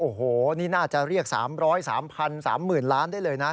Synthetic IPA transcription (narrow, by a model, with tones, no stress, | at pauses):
ʔoː˨˩hoː˨˩niː˥˩naː˥˩t͡ɕa˨˩ɾi˥˩ək̚sa̰ː˩˦mɾɔː˦˥jsa̰ː˩˦mpʰa˧nsa̰ː˩˦mːɯː˨˩nlaː˦˥ndaː˥˩jlɤː˧jna˦˥